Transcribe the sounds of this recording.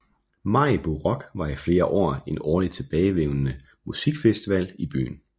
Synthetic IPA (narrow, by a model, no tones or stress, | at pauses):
mɑ̈ɪb̥oʁɒɡ̥ʋɑ̈ifle̝ːɐʔɒ̰ːe̝nɒːlid̥̚t͡sʰe̝b̥ɛːɪʋeʊnnə | musiɡ̥fesd̥iʋæl̰ib̥y̰ːn̩